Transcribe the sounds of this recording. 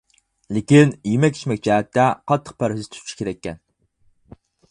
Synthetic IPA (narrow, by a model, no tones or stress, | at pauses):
lekʲinjimɛkʲʰi̥t͡ʃmɛk̚ʲt͡ʃæːt̪ʰːæqʰɑt̪ʰːə̥q̚pʰæɾhɨzt̪ʰu̥t͡ʃʰːi̥kʰʲeɾɛkʲːɛn